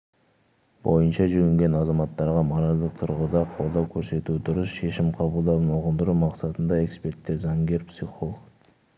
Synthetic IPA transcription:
bo̞̰jənʃɑʒʏɡʲɪŋɡʲe̞nɑzɑmɑt̪ːɑɾʁɑmɑɾɑlˠd̪əq̚t̪ʰʊɾʁəd̪ɑqʰo̞lˠd̪ɑwkʲʰɵɾse̞t̪ud̪ʊɾəsʃe̞ʃɪmqʰɑbəlˠd̪ɑbnoʁənd̪əɾumɑqsɑt̪ənd̪ɑe̞kspe̞ɾt̪ːe̞ɾzɑŋɡʲe̞ɾpsʲiχolˠəɡ

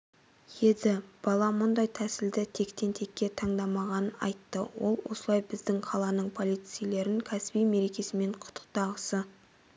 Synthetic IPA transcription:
jed̪ɪb̥ɑlˠɑmʊnd̪ɑjt̪ʰæsɪld̪ɪt̪ʰe̞kt̪ʰe̞nt̪ʰe̞kʲːe̞t̪ʰɑɴd̪ɑmɑʁɑnənɑ̰jt̪ːəwo̞̰lˠwo̞̰səlˠɑjbɪzd̪ɪŋqʰɑlˠɑnəɴpʰo̞lˠijt̪sɨjle̞ɾɪŋkʲʰæsɪbijme̞ɾe̞kʲe̞sɪme̞ɴqʰʊ̥t̪ʰə̥q̚t̪ɑʁəsə

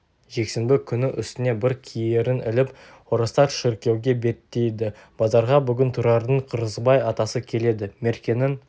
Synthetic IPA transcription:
ʒe̞kse̞nbɪkʲʰʏnɪʔʏ̰st̪ɪne̞bɪɾkʲʰijeɾɪnɪ̰lɪp | oɾəst̪ɑt̪ʃɪɾkʲe̞wɡʲe̞be̞t̪ːe̞jd̪ɪ | b̥ɑzɑɾʁɑbʏɡʲɪnt̪ʰuɾɑɾd̪əɴqʰəɾəzbɑjɑt̪ɑsəkʲʰe̞le̞d̪ɪme̞ɾkʲe̞nɪŋ

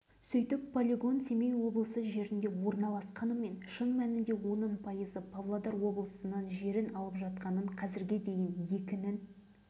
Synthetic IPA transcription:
sʏjt̪ɪpːolʲeɡo̞nse̞mejwo̞blˠəsəʒe̞ɾɪnd̪e̞wo̞ɾnɑlˠɑsqɑnəme̞nʃəɴmænɪnd̪e̞wo̞nənpʰɑjəzəpʰɑvlˠod̪ɑɾwo̞blˠəsənənʒe̞ɾɪnɑlˠəpʒɑt̪̚qɑnəɴqʰɑzɪɾɡʲe̞d̪e̞jɪnje̞kʲɪnɪn

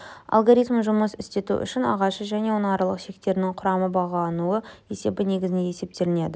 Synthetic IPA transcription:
ɑ̰lˠɡoɾijt̪mʒʊməsɪst̪e̞t̪ṵʔʏ̰ʃɪnɑ̰ʁɑʃəʒæne̞wonɑɾlˠəqʃe̞k̚t̪e̞ɾɪnɪŋqʰʊɾɑməbɑʁɑlˠɑnuəje̞se̞bɪne̞ɡʲɪzɪneje̞se̞p̚t̪e̞ɾɪne̞d̪ɪ

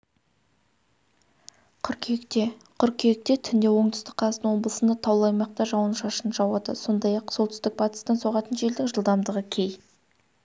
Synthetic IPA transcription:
qʰʏɾkʲʰekt̪e̞qʰʏɾkʲʰeɪk̚t̪e̞t̪ʰʏnd̪e̞wo̞ɴd̪ʏ̥st̪ɪkqʰɑlˠɑənwo̞blˠəsənd̪ɑt̪ʰɑwlˠɑjmɑq̚t̪ɑʒɑwənʃɑʃənəʒɑwɑd̪əso̞nd̪ɑjɑqso̞lˠt̪ɪst̪ɪk̚bɑt̪ə̥st̪ɑnsoʁɑt̪ənʒe̞ld̪ɪŋʒəlˠd̪ɑmd̪əʁəkʲʰe̞j

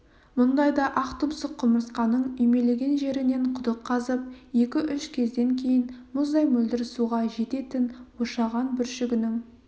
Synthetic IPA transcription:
mʊnd̪ɑjd̪ɑʔɑqt̪ʊmsəqqʰːʊməɾsqɑnəɴʏjme̞le̞ɡʲe̞nʒe̞ɾɪne̞ɴqʰʊd̪əqʰːɑzəp̚je̞kʲɪʔʏʃkʲʰe̞zd̪e̞ŋkʲʰe̞jɪnmʊzd̪ɑjmɵld̪ɪɾɪsuʁɑʒe̞t̪e̞t̪ɪnwoʃɑʁɑnbʏɾʃɪɡʲɪnɪŋ

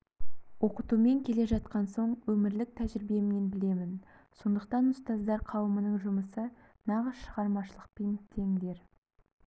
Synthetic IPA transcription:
wo̞qət̪ume̞ŋkʲʰe̞le̞ʒɑt̪̚qɑnso̞ɴwɵmɪɾlɪk̚t̪ʰæʒɪɾbe̞mne̞nbɪle̞mɪn | so̞nd̪əq̚t̪ɑnʊst̪ɑzd̪ɑɾqʰɑwəmənəɴʒʊməsə | nɑʁəzʃəʁɑɾmɑʃəlˠə̥q̚pent̪ʰe̞ŋd̪e̞ɾ

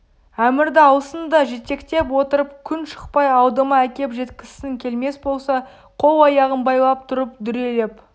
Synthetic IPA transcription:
æmɪɾd̪ɪɑwəsənd̪ɑʒe̞t̪e̞kt̪e̞pwo̞t̪əɾəpkʲʰʏnʃə̥q̚pɑjɑwd̪əmɑækʲe̞pʒe̞t̪kʲɪsɪŋkʲʰe̞lme̞sbo̞lˠsɑ | qʰo̞wˠɑjɑʁənbɑjlˠɑp̚t̪ʰʊɾəpd̪ʏɾe̞le̞p

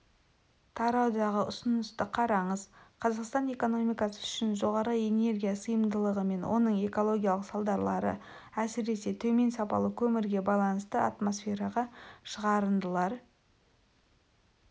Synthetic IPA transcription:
t̪ʰɑɾɑwd̪ɑʁəʊsənəst̪əqʰɑɾɑɴəzqʰɑzɑqst̪ɑne̞ko̞no̞mijkɑsə̥ʏʃɪnʒo̞ʁɑɾəje̞ne̞ɾɡʲijasəjəmd̪əlˠəʁəme̞nwʔo̞̰nəɴe̞ko̞lˠo̞ɡʲijɑlˠəqsɑlˠd̪ɑɾlˠɑɾə̰ | æsɪɾe̞se̞t̪ʰɵme̞nsɑpɑ̰lˠəkʲʰɵmɪɾɡʲe̞bɑjlˠɑnəst̪əɑ̰t̪mo̞sfʲe̞ɾɑʁɑʃəʁɑɾənd̪əlˠɑɾ

